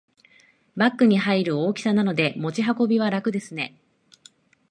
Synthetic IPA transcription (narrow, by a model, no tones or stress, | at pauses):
bakːɯ̟ɲ̟iɦaiɾɯ̟o̞ːkʲi̥sanano̞d̪e̞mo̞t͡ɕiɦako̞bʲiβ̞aɾakɯ̟d̪e̞sɨne̞